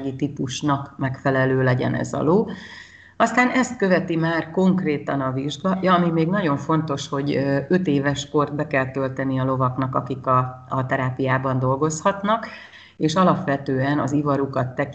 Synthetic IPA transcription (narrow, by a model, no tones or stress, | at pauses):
ɡit̪ipuʃnɒkmɛkfɛlɛløːlɛɟɛ̰nɛ̰zɒ̰loː | ɒst̪aːnɛst̪kø̞vɛt̪imaːrko̞ŋkreːt̪ɒnɒviʒɡɒjɒːmimeːɡnɒɟo̞ɱfo̞nt̪o̞ʃho̞ɟø̞t̪eːvɛʃko̞rd̪̚bɛkɛlt̪ølt̪ɛniɒlo̞vɒknɒkɒkikɒː | t̪ɛɾaːpijaːbɒnd̪o̞lɡo̞shɒt̪nɒk | eːʃɒlɒpʋɛt̪øːɛnɒ̰zivɒɾukɒt̪ːɛk